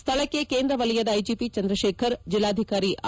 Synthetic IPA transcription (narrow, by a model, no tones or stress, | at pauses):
st̪ʰɐɭɐkːekeːnd̪ɾɐʋɐlijɐd̪ɐːjd͡ʒipit͡ʃɐnd̪ɾɐʃeːkʰɐɾd͡ʒilːaːd̪ʱikaːɾiʔ